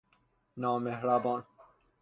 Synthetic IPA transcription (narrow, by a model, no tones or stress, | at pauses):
naːmehɾabɔːn